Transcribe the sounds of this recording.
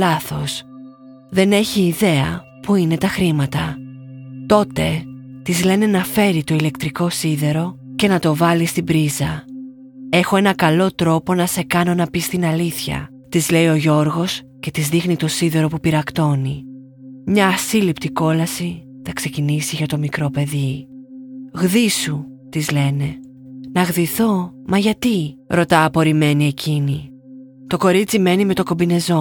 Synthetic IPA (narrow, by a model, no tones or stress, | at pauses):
ɐθo̞s | ðe̞ne̞çiːðe̞ɐ | puine̞t̪ɐxɾimɐt̪ɐ | t̪o̞t̪e̞t̪izle̞ne̞nɐfe̞ɾit̪o̞ile̞kt̪ɾiko̞siðe̞ɾo̞ | ce̞nɐt̪o̞vɐlist̪ibɾizɐ | e̞xo̞e̞nɐkɐlo̞t̪ɾo̞po̞nɐse̞kɐno̞nɐpist̪inɐliθçɐ̰ | t̪izle̞io̞ʝo̞ɾɣo̞s | ce̞t̪izðixnit̪o̞siðe̞ɾo̞pupiɾɐkt̪o̞ni | mɲɐːsilipt̪iko̞lɐsi | t̪ɐkse̞cinisiʝɐt̪o̞mikɾo̞pe̞ði | ɣðisut̪izle̞ne̞ | nɐɣðiθo̞mɐʝɐt̪iɾo̞t̪ɐːpo̞ɾime̞nie̞cʰini | t̪o̞ko̞ɾit͡sime̞nime̞t̪o̞ko̞mbine̞zo̞